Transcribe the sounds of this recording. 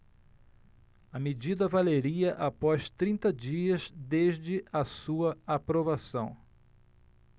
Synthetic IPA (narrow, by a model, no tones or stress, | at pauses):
ɐmed͡ʒid̪ɐvaleɾiɐʔapɔst̪ɾĩnt̪ɐd͡ʒiɐzd̪eʒd͡ʒɪɐsuɐapɾovasɐ̰̃w̃